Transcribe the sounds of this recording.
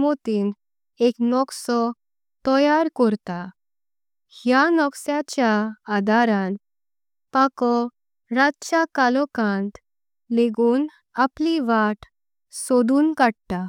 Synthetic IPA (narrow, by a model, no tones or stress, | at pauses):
mot̪iːn | eknɔksɔ | t̪ɔjaɾkɔɾt̪a | hjanɔksjat͡ɕjaːd̪ʱaɾãn | pakɔ | ɾat̪t͡ɕakalɔkãnt̪ | leɡuːn | apliʋaʈ | sɔd̪uːnkaɽt̪a